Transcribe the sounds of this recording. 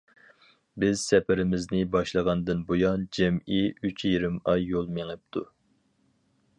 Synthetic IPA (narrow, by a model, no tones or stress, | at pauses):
bɪz̥sɛpʰɪɾɪmɪznɪbɑʃlˠəʁɑnd̪ɨnbojɑnd͡ʒɛmiyt͡ʃʰjiɾɪmɑjːolˠmeŋɨp̚t̪ʰu